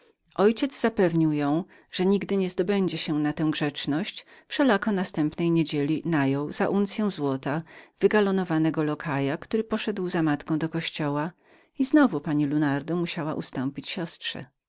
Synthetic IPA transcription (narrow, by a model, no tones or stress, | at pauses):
ʔɔjt͡ɕɛd̪zzapɛvɲiwjɔ̃w̃ | ʐ̥ɛɲiɡd̪ɘɲɛzd̪ɔbɛɲd͡ʑɛɕɛnat̪ɛ̃w̃ɡʐɛt͡ʂnɔɕt͡ɕfʂɛlakɔnast̪ɛmpnɛjɲed͡ʑelʲinajɔwz̥aʔunt̪sʲjɛ̃w̃zwɔt̪av̥ɘɡalɔnɔvanɛɡɔlɔkʰajakt̪uɾɘpɔʂɛd̪wzamat̪kɔ̃w̃d̪ɔkɔɕt͡ɕɔwa | iznɔvupaɲilunaɾd̪ɔmuɕawaʔust̪ɔmpʲit͡ɕɕɔstʂɛ̰